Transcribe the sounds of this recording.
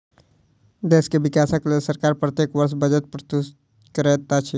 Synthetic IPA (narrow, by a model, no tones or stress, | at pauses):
d̪eːskeʋɪkaːsəklesəɾkaːɾpɾət̪jeːkʋəɾʃbəd͡ʒət̪̚pɾət̪u | kəɾet̪at͡ʃʰi